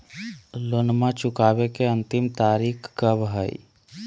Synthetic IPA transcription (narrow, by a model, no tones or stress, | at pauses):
lonmãt͡ʃʊkaːbekeə̃nt̪ɪmt̪aːɾiːkkəbɦəḭ